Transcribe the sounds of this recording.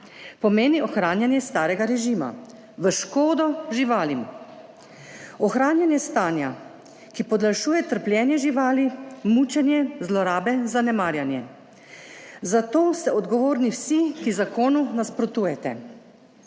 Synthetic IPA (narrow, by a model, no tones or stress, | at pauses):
pɔmeːniɔxɾaːnjanjɛst̪aːɾɛɡaɾɛʒima̰ | ʋəʃkoːd̪ɔʒiʋaːlim | ɔxɾaːnjanjɛst̪aːnja | kipɔd̪laʃuːjɛt̪əɾpljɛːnjɛʒiʋaːlimuːt͡ʃɛnjɛzlɔɾaːbɛzanɛmaːɾjanjɛ | zat̪oːst̪ɛɔd̪ɡɔʋoːɾniwsikizakoːnunaspɾɔt̪uːjɛt̪ɛ